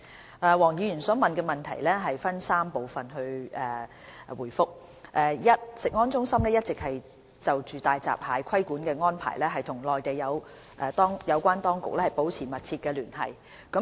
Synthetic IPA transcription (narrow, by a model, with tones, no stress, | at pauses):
ʔɛː˨˧wɔː˨˩ŋjiː˨˧jyː˨˩nsɔː˨˥mɐ˨nkɛː˧mɐ˨nt̪ʰɐ̰˨˩jlɛː˥ɦɐ˨jfɐ˥nsaː˥mpo˨wfɐ˨nɦɵ˧ɥɛː˨˩wuː˨˩jfʊ˥k̚ | ʔɛː˨jɐ˥t̚sɪ˨k̚ŋɔː˥nt͡sʊ˥ŋsɐ˥mlɛː˥jɐ˥t̚t͡sɪ˨k̚hɐ˨j | t͡sɐ˨wt͡ʃyː˨t̪aː˨jt͡sa̰ː˨p̚haː˨˧jkʰɐ˥jkuː˨˥nkɛː˧ŋɔː˥npʰa̰ː˨˩jlɛː˥ɦɐ˨jt̪ʰʊ˨˩ŋlɔː˨jt̪e˨jːɐ˨˧w | ʔɛː˧t̪ɔː˥ŋjɐ˨˧wkʷaː˥nt̪ɔː˥ŋkʊ̰˨k̚lɛː˥hɐ˨˩jpo˨˥wt͡sʰiː˨˩mɐ˨t̚t͡sʰiː˧t̚kɛː˧lyː˨˩nɦɐ̰˨˩j | kɐ˨˧˥